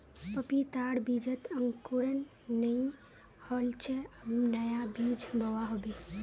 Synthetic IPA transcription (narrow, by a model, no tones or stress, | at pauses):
pəpit̪aɽbid͡ʒət̪əŋkuɾənː | əj | hɔlt͡ʃʰɛəunəjabid͡ʒbʱəwaɦobe